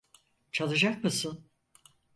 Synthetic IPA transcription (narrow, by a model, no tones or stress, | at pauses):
t͡ʃʰalˠɯd͡ʒak̚mɯsɯn